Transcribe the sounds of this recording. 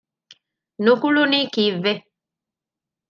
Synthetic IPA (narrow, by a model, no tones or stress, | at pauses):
nokulonikive